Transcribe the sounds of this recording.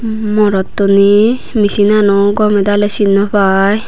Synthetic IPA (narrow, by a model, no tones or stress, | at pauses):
mɔɾɔt̪ːɔni | misinanɔwɡɔmɛd̪alesinːɔpʰaj